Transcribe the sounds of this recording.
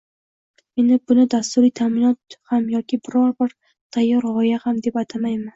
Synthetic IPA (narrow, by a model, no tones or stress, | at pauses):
me̞nɪbʊnɪd̪ast̪ʊɾijt̪ʰamɪnɒt̪hamjɒkʲɪbɪɾɒɾbɪɾ | t̪ʰajːɒɾʁɒjahamd̪e̞pat̪ʰamajman